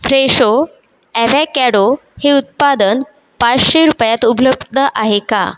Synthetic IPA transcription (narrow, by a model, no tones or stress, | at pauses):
fɾeɕo | ɛʋɛkɛɽo | heut̪̚pad̪ən | pat͡sɕeɾupjat̪ubləbd̪ʱəʔaɦeka̰